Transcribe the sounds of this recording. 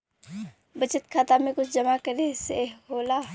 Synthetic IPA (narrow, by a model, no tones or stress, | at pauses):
bət͡ʃɪt̪kʰaːt̪amẽkʊt͡ʃʰd͡ʒəmakəɾeseɦoːlaː